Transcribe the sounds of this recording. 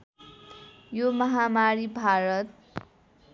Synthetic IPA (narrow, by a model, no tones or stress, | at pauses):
jomʌɦamaɾibʱaɾʌt̪̚